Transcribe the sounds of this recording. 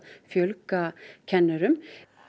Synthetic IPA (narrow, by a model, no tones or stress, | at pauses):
fjœlkacʰɛnːœɾʏm